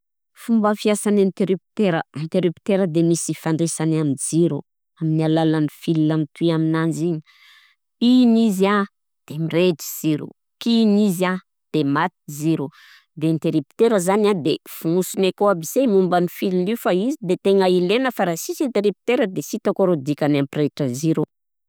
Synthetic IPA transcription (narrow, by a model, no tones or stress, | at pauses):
fumbəfiasanent̪eɾipt̪eɾənt̪eɾipt̪eɾəd̪emisifaɳɖ͡ʐesanamind͡ziɾu | aminialalanifillamit̪ʰuiaminand͡ʒiɲi | iniza | d̪̥emired͡ʒi̥z̥iɾṵ | kiniza | d̪̥emat̪iziɾu | d̪ent̪eɾipt̪eɾəzanad̪efunusunekoabisemumbanifillifaizid̪et̪eŋailenəfaɾasisint̪eɾipi̥t̪eɾəd̪esit̪okoɾod̪ikʲanampreʈ͡ʂəziɾu